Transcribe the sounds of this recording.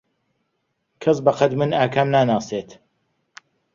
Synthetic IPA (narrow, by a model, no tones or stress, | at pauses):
kʰɐsbɐqɐd̪mɨnaːkʰaːmnaːnaːseːt̪